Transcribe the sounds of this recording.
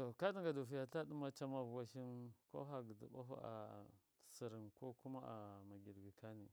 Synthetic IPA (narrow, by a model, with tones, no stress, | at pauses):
to˨ka˦di˦ŋɡa˨du˨fi˦ja˨ta˦du˦ma˦t͡ʃa˦ma˦vwa˦ʃi˦nko̰˦ɦa˨ɡə˨dḭ˨ba̰˦ɦṵ˦a̰˨ | si˨ɾi˨nko˦ku˦ma˦a̰˨ma˨ɡi˨ɾɡi˨ka˦ni˨